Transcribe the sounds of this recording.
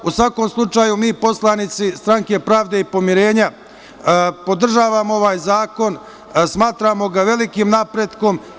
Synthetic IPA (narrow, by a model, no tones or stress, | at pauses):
usʋako̞mslˠut͡ʃaːjumiːpo̞slˠanit̪sist̪ɾaŋke̞pɾaːʋd̪e̞ipo̞miɾe̞ːɲa | po̞d̪r̩ʒaːʋamoo̞ʋaːjzaːko̞n | smaːt̪ɾaːmo̞ɡaʋe̞likimnapɾed̪ko̞m